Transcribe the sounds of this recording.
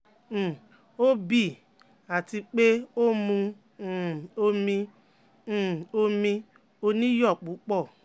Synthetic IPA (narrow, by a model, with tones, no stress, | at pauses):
o˦bi˦˨ | a˨ti˧k͡pe˦o˦mũ˧˦˨ | o˧mĩ˧˨ | o˧mĩ˧ | o˧nĩ˦jɔ˦˨k͡pu˨˦k͡pɔ˦˨